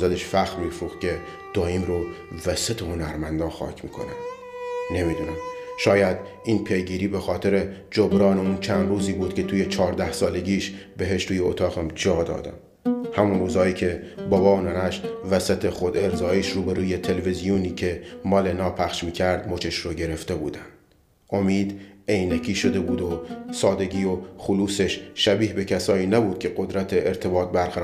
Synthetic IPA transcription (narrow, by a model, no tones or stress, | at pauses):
zæd̪eʃfæxɾmiːfɾuːxcʰe̞ | d̪̥ɒːiːmɾovæsæt̪ʰehonæɾmænd̪ɒːxɒ̰ːcʰmiːkʰo̞̰næ̰m | ne̞miːd̪uːnæmʃɒːjæd̪ | iːnpʰe̞jɡiːɾiːbexɒːt̪ʰe̞ɾe̞d͡ʒobɾɒːneuːnt͡ʃʰænd̪ruːziːbuːd̪̥̚kʲʰe̞t̪ʰuːje̞t͡ʃʰɒːɾd̪æhsɒːle̞ɟiːʃbe̞ɦeʃt̪ʰuːjeot̪ʰɒːɣæmd͡ʒɒːd̪ɒ̰ːd̪æ̰m | hæmunruːzɒːiːcʰe̞ | bɒːbɒːonænæʃvæsæt̪ʰexo̞d̪eɾzɒːeʃɾuːbeɾuːje̞t̪ʰe̞levizijuniːcʰe̞mɒːlenɒːpʰæχʃmiːcʲʰæɾd̪mot͡ʃʰeʃɾoɟe̞ɾe̞ft̪e̞bṵːd̪ænd̪̥ | ʔomiːd̪ejnækʰiːʃo̞d̪e̞buːd̪osɒːd̪e̞ɟiːoxuluːse̞ʃʃæbiːhbe̞cʰæsɒːiːnæbuːd̪̚cʰʲe̞ɢo̞d̪ɾæt̪ʰeːɾt̪ʰe̞bɒːt̪̚bæɾʁæɾː